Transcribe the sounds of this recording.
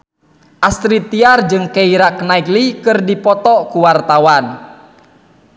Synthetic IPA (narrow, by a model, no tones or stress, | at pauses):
ʔast̪ɾit̪iard͡ʒɨŋkeiɾaknaiklikɨrdipɔt̪ɔkuwart̪awan